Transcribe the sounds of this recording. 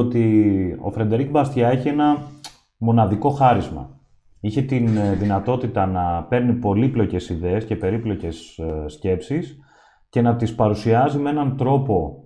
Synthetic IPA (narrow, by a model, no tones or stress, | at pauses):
ot̪io̞̰fɾed̪e̞ɾik̚bɐst̪çɐe̞çie̞nɐ | mo̞nɐðiko̞xɐɾizmɐ̰ | içe̞t̪inðinɐt̪o̞t̪it̪ɐnɐpe̞ɾnipo̞liplo̞ce̞siðeesce̞pe̞ɾiplo̞ce̞sːce̞psis | ce̞nɐt̪ispɐɾusiɐzimee̞nɐnt̪ɾo̞po̞